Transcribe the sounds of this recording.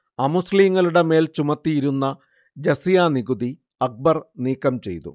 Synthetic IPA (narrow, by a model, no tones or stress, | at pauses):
ɐmusliːŋːɐɭuɽe̞me̞ːlt͡ɕumɐt̪ːijiɾunːɐ | d͡ʑɐsijaːniɡud̪i | ɐk̚bɐrniːkːɐmt͡ɕe̞̰jt̪ṵ